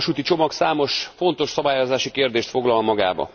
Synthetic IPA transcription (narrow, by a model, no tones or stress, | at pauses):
ʃuːt̪it͡ʃo̞mɒksaːmo̞ʃfo̞n̪t̪o̞ʃsɒbaːjo̞zaːʃikeːrd̪eːʃt̪fo̞ɡlɒlmɒɡa̰ːbɒ̰